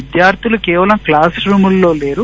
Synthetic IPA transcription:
id̪jaːɾt̪ʰulukeːʋɐlɐmklaːsɾuːmulːo̞ːle̞ːɾu

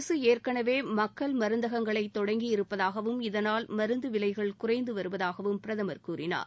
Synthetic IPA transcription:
sɯeːrkɐɳɐʋeːmɐkːɐɭmɐɾɯnd̪ɐɣɐŋɡɐɭɐɪt̪ːɔɽɐŋɡijɪɾɯpːɐðaːɣɐʋɯmɪðɐnaːlmɐɾɯnd̪ɯʋɪlɐɪɣɐɭkʊrɐɪnd̪ɯʋɐɾɯʋɐðaːɣɐʋɯmpɪɾɐðɐmɐɾkuːɾɪna̰ːɾ

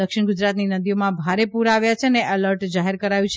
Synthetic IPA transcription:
əkʃɪɳɡʊd͡ʒɾat̪ninəd̪ijomãbʱaɾepuɾaʋjat͡ʃʰeəneʔələɾʈd͡ʒaɦeɾkəɾajũt͡ʃʰ

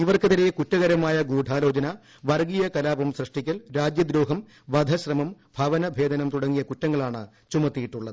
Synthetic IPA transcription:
iʋɐrkɨt̪ɐɾejɐkutːɐɣɐɾɐmaːjɐɡuːɖʱaːlo̞ːd͡ʑɐnɐ | ʋɐrɡijɐkɐlaːbɐmsrɨʂʈikʲːɐlɾaːd͡ʑjɐd̪ɾoːɦɐm | ʋɐd̪ʱɐɕrɐmɐmbʱɐʋɐnɐbʱe̞ːd̪ɐnɐmt̪uɽɐŋːijɐkutːɐŋːɐɭaːɳɨ̰ | t͡ɕumɐt̪ːijiʈːuɭːɐðɨ

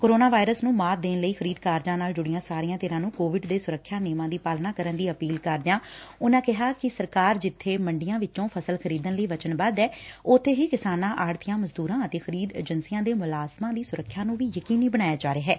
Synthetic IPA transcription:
koːɾoːnaːʋaːɪɾəsnũːmaːt̪̚d̪eːnləiːxʰəɾiːd̪kaːɾd͡ʒãːnaːld͡ʒʊɽɪjãːsaːɾijãːt̪eːɾãːnũːkoːʋɪɖd̪eːsʊɾəkʰːjaːneːmãːd̪iːpaːlnaːkəɾənd̪iːəpiːlkəɾd̪ejãːʊnãːkɪɦaːkɪsəɾkaːɾd͡ʒɪt̪ʰːeːməɳɖɪjãːʋɪt͡ʃõːpʰəsəlkʰəɾiːd̪ənləiːʋət͡ʃənbad̪ɛːʊt̪ʰːeːɦiːkɪsaːnãːʔaːɽt̪ʰɪjãːməzd̪uːɾãːət̪eːxʰəɾiːd̪ḛːd͡ʒənsijãːd̪eːmʊlaːzmãːd̪iːsʊɾəkʰːjaːnũːʋiːjəkiːniːbənaːjaːd͡ʒaːɾeːɦɛː

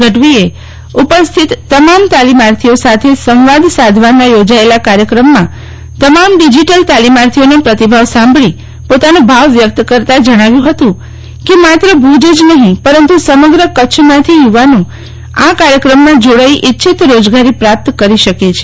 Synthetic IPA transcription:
ɡəʈʋie | upəst̪ʰit̪ːəmamt̪alimaɾt̪ʰiosat̪ʰesəmʋad̪sad̪ʱʋanajod͡ʒaelakaɾjəkɾəmːã | t̪əmamɖid͡ʒiʈəlt̪alimaɾt̪ʰionapɾət̪ibʱaʋsãmbɭi | pot̪anõbʱaʋʋjək̚t̪kəɾt̪ad͡ʒəɽ̃aʋjũɦət̪ũ | kemat̪ɾəbʱud͡ʒed͡ʒnəɦĩpəɾənt̪usəməɡɾəkəʃʰmãt̪ʰijuʋanũ | akaɾjəkɾəmːãd͡ʒoɽaiʔitːʃʰit̪ɾod͡ʒɡaɾipɾap̚t̪kəɾiʃəket͡ʃʰe̥

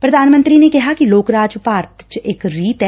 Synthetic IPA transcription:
pɾɐd̪ʱaːnmə̃nt̪ɾinekɐɦakiloːkɾaːd͡ʒpaːɾt̪t͡ʃeːkɾiːt̪ɦɛ

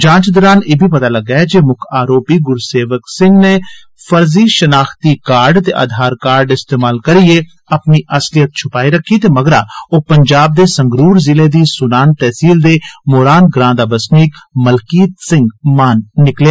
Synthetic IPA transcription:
d͡ʒãːt͡ʃd̪ɔːɾaːneːbʱiːp̬ət̪aːləɡaːɛd͡ʒeːmʊkʰaːɾoːpiːɡʊɾseːʋəksɪ̃ŋɡneː | fʰəɾziːʃənaːxt̪iːkaːɾɖt̪eːʔa̰ːd̪ʱaːɾkaːɾɖɪst̪eːmaːlkəɾieː | əpniːʔəslɪjət̪̚t͡ʃʰʊpaːiɾəkʰːiːt̪eːməɡɾaːoːpəɲd͡ʒaːb̚d̪eːsəŋɡɾuːɾzɪleːd̪iːsʊnaːnt̪ɛːsiːld̪eːmoːɾaːnɡɾãːd̪aːbəsniːkməlkiːt̪sɪ̃ŋɡmaːnːɪkljaː

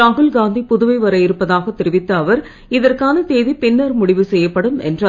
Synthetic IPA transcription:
aːɣɯlɡaːnd̪ipʊðɯʋɐɪʋɐɾɐjɪɾɯpːɐðaːɣɐt̪ːɪɾɪʋɪt̪ːɐːʋɐɾ | ɪðɐrkaːnɐt̪eːðipɪnːɐɾmʊɽɪʋɯsɛjːɐpːɐɽɯmɛ̰ndrɐ

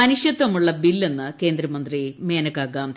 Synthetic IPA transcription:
ɐnuɕjɐt̪ːɐmuɭːɐbilːe̞nːɨke̞ːnd̪ɾɐmɐnd̪rime̞ːnɐkaːɡaːm

